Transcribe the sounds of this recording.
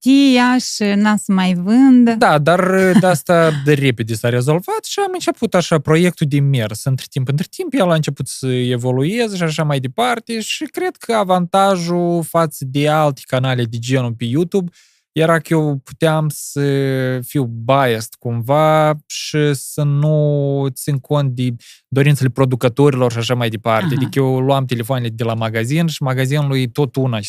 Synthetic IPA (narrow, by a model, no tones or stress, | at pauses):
t̪ijaʃinasəmajvɨnd̪əd̪ad̪arəd̪ast̪aəre̞ped̪ʲesaɾe̞zo̞lvat̪ʃiamɨnt͡ʃe̞put̪aʃapɾo̞je̞k̚t̪ud̪eme̞rsɨnt̪ɾe̥t̪impɨnt̪ɾʲe̥t̪impjalaɨnt͡ʃe̞put̪səe̞vo̞lue̞zəʃiaʃ̬amajd̪e̞part̪e̞ʃikɾe̞d̪̚kʰəavant̪aʒufat̪səd̪ealt̪e̥kanalʲed̪ed͡ʒenupejut̪ub | jeɾakəjewpu̥t̪eamsəfiwbajest̪kumvaʃisənut̪sinkʰo̞nt̪̚d̪ed̪o̞ɾint̪sele̞pɾo̞d̪ukət̪oɾilo̞rʃaʃamajd̪e̞part̪ead̪ikəjewluamt̪e̞le̞foaneled̪e̞lamaɡazinʃimaɡazinulujt̪o̞t̪una